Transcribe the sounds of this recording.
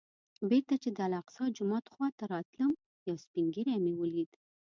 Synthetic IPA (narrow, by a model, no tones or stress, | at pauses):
beɾt̪at͡ʃed̪əalaqsɑd͡ʒʊmɑt̪xwɑt̪aɾɑt̪ləm | jɑspiŋɡiɾamewəlid̪